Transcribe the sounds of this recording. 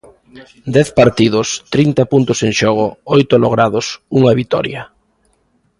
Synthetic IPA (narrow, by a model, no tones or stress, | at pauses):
d̪ɛθpaɾt̪iðʊst̪ɾint̪ɐpunt̪ʊseŋʃɔɣ̞ʊɔjt̪oloɣ̞ɾaðʊsuŋɐβit̪ɔ̰ɾjɐ